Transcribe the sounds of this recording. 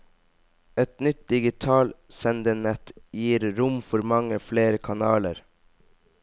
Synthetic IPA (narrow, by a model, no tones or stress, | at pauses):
ɛt̪nʏt̪̚d̪ɪɡɪt̪ʰɑːlsɛnd̪əɳɛt̪jiːɾɾʊmfɔɾmɑŋəfleːɾəkʰɑnɑːləɾ